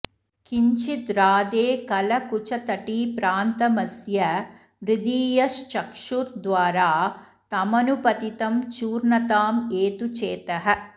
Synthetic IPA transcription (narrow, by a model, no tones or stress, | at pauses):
kiɲt͡ʃit̪ɾaːd̪eːkɐlɐkut͡ʃɐt̪ɐʈipɾaːnt̪ɐmɐsjɐ | ʋɾid̪iːjɐʃt͡ʃɐkʂuɾd̪ʋaːɾaː | t̪ɐmɐnupɐt̪it̪ɐmt͡ʃuːɾnɐt̪aːmeːt̪ut͡ʃeːt̪ɐɦɐ̆